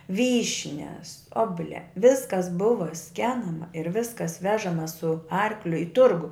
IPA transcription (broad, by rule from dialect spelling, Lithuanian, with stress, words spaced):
ˈʋʲiːʃʲnʲɛs ˈoːbʊˌlʲɛ ˈʋʲɪskɐs ˈbʊʋɐ ˈsʲkʲæːnɐmɐ ɪr ˈʋʲɪskɐs ˈʋʲæːʒɐmɐ sʊ ˈɐrklʲʊ ɪ ˈtʊrɡʊ